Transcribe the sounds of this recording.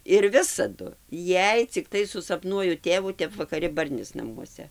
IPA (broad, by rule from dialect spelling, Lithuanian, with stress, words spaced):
ɪr ˈʋʲɪsɐdʊ ˈjɛɪ t͡sʲɪkˈtɐɪ sʊsɐpˈnuɔjʊ ˈtʲeːʋuː ˈtʲɛp ʋɐkɐˈrʲɪ ˈbɐrʲnʲɪs nɐˈmuɔsʲɛ